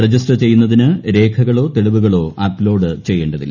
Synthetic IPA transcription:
rɐd͡ʑisʈɐrt͡ɕe̞jːunːɐðinɨɾe̞ːkʰɐɣɐɭo̞ːt̪e̞ɭuʋuɣɐɭo̞ːʔaːplo̞ːɖɨt͡ɕe̞jːeːɳɖɐðḭlː

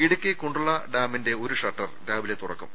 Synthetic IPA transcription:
iɽukːɨkoɳɖuɭːɐɖaːminde̞oɾuʂɐʈːɐrɖaːbilet̪urɐ̰kːṵm

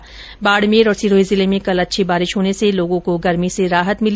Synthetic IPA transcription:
baːɽmeːɾɔːɾsiːɾoːizɪlemẽkɐlɐtːʃʰibaːɾɪʃɦoːneseloːɡõkoɡɐɾmiseɾaːɦət̪mɪl

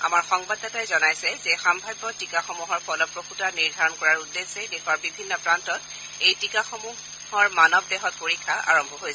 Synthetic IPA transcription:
a̰maɹxɔŋbadːatajzɔnajsɛzɛxambʱajbːɔtikaxɔmuɦɔɹpɔlɔpɹokʰutaniɹdʱaɹɔnkɔɹaɹudːesɛdexʰwaɹbibʱinːɔpɹantɔt | ejtikaxɔmu | hɔɹmanɔbdɛɦɔt̚poɹikʰːaʔa̰ɹɔmbʱɔɦojsɛ

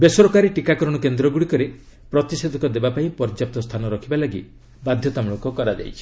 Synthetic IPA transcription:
besɔɾɔkaɾiʈikakɔɾɔɽ̃ɔkend̪ɾɔɡuɽikɔɾe | pɾɔt̪ised̪ʱɔkɔd̪ebapaĩpɔɾd͡ʒap̚t̪ɔst̪ʰanɔɾɔkʰibalaɡḭ | bad̪ʱjɔt̪amuɭɔkɔkɔɾad͡ʒa̰jt͡ʃʰi

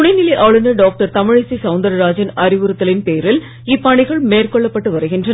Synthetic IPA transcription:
ʊɽɐɪnɪlɐɪʔɐʋɭɯnɐɖaːk̚ʈɐɾt̪ɐmɪɻɪsisɐʊnd̪ɐɾɐɾaːd͡ʒɐnɐɾɪʋɯɾɯt̪ːɐlɪnpeːɾɪl | ɪpːɐɳɪɣɐɭmeːrkɔɭːɐpːɐʈːɯʋɐɾɯɣɪndrɐn

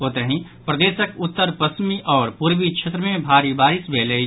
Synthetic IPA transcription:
ɦoːt̪əɦĩ | pɾɐd̪eːsəkʊt̪ːəɾpɐsmiʔɔːɾpuɾbit͡ʃʰet̪ɾəmẽbʱaːɾibaːɾɪsbeːlei

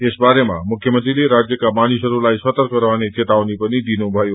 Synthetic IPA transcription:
esbaɾema̰mukʰjəmənt̪ɾileɾad͡ʑjəkamanisəɾulajsʋət̪əɾkəɾʋanet͡ʃʰet̪aonipənid̪inũbʱaju

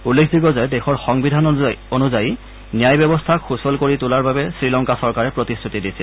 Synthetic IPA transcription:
ulːekʰbiɡɔzajɛdɛxɔɹxɔŋbidʱanonuzaji | nijajbjɔbɔstʰakxusɔlkoɹitʊlaɹbabɛsɹilɔŋkasɔɹkaɹɛpɹotisutidisɛl

